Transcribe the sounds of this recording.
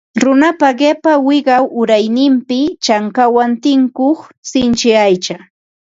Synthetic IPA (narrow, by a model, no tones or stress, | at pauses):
ɾʊnapaɢepawɪɢɑwʔʊɾajnɪmpɪt͡ʃaŋkawant̪ɪŋkoχsɪnt͡ʃɪajt͡ʃa